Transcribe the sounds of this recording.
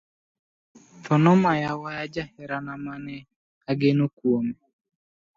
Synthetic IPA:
fɔnɔmajawajad͡ʒahɛɾanamanɛ | aɡenokwome

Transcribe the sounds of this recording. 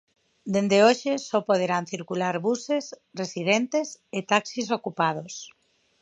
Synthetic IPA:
d̪end̪eoʃesopoð̞eɾanθiɾkulaɾβuses | resið̞ent̪eset̪aksis̬okupað̞os

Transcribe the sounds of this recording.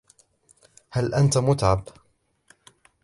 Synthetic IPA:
halʔant̪mʊt̪ʕab

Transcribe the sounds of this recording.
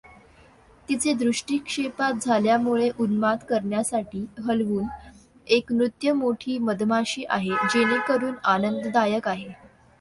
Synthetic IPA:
t̪it͡sed̪ɾuʂʈiːkʂepat̪̚d͡zʱaljamuɭeʔunmat̪kəɾɳjasaʈʰiːɦəlʋuːn | ekmɾut̪jəmoʈʰiːməd̪ʱmaɕiːʔa̰ɦed͡ʑeñikəɾuːnanənd̪d̪ajəkaɦe

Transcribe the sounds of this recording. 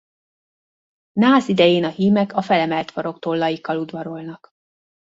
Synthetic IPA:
naːzid̪ɛjeːnɒhiːmɛkɒfɛlɛmɛlt̪fɒɾo̞kt̪olːɒjikːɒlud̪ʋɒɾo̞lnɒk

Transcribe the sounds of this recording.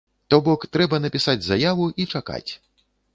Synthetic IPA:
t̪ɔbɔkt̪ɾɛbɐnɐpʲisad͡zʲzajavuʔit͡ʂaka̰t͡sʲ

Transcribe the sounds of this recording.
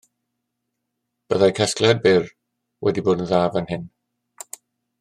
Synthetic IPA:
b̥əðajkʰɛsklɛd̚bɪr | wʔɛ̰diboːdən̩ðaːvənhɪn

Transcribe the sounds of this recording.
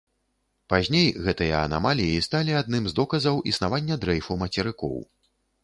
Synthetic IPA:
pazʲnʲejɣɛt̪ɨjɐɐ̰na̰malʲijist̪alʲiad̪̚nɨmzd̪ɔkɐzɐwʔisnavanʲːɐd̪ɾɛjfumɐt͡sʲɛɾɨkɔ̰w

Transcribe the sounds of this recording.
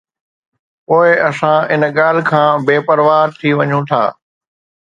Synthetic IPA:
poːɪɐsãɪnɠaːl̤ɪkʰãːbeːpɐɾʋaːɾt̪ʰiʋɐɲũt̪ʰa̰ː

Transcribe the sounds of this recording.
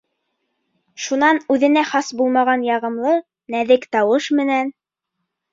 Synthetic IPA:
ʃunɑnʉðɘ̆næχɑsbulˠmɑʁɑnjɑʁɤ̆mlˠɤ | næðɘkt̪ɑwɤʃmɘ̆næn

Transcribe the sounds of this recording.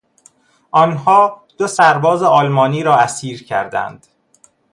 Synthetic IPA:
ʔɒːnhɒːd̪̥osæɾbɒːzeɒːlmɒːniːɾɒːæsiːɾcʰæ̰ɾd̪æ̰nd̪̥

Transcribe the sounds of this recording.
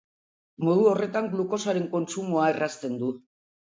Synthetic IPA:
mo̞ð̞uo̞re̞t̪aŋɡluko̞saɾe̞ŋko̞nt͡ʃumuaerast̪e̞nd̪u

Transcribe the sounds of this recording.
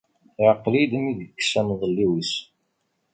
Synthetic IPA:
ʕəqːlid̪əmiðkːsænðˤəlːiwis

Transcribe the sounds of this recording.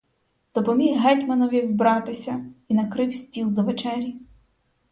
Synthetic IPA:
d̪̥ɔpɔmʲiɦɦɛtʲmɐnɔʋʲiwbɾɑt̪ɪsʲɐinɐkɾɪwsʲtʲilˠd̪ɔʋet͡ʃɛɾʲi

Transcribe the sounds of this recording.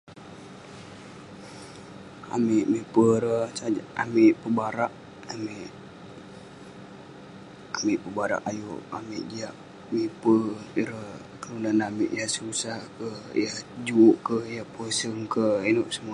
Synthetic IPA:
a̰miʔmipəɾəsaa̰miʔpəbaɾaʔ | amiʔ | amiʔpəbaɾa̰ʔajoʔa̰miʔd͡ʒiaʔ | mipəɾəh | kəlunanamiʔjahsusahkəjahd͡ʒuuʔkəhjahpəsəŋkəenoʔsəmua

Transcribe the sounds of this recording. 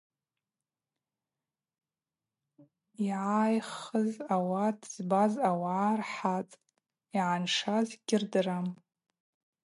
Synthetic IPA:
iʕajχəzawadʰʼz̥bazawaːrħat͡sʼ | iʕanʂazɡʲɪrdram

